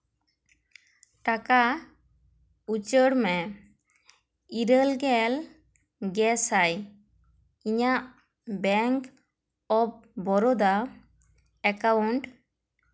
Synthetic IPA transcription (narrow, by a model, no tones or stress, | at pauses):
ʈaka | ut͡ʃəɽmɛ | iɾəlɡɛl | ɡɛsaj | iɲaʔ | bɛŋk | ɔp̚bɔɾɔd̪a | ɛkawuɳʈ